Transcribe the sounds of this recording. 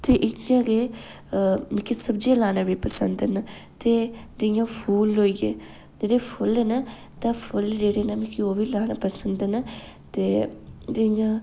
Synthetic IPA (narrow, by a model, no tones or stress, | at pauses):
t̪eːʔɪjãːɾeː | mɪ̃kisəbd͡ʒelaːnaːʋiːpəsənd̪əna | t̪eːd̪ɪɪjãːpʰuːloːiːeː | d͡ʒeːɽeːpʰʊlena | t̪ãːpʰʊld͡ʒeːɽeːnamĩkioːʋiːlaːnaːpəsənd̪ena | t̪eːd̪eɪjãː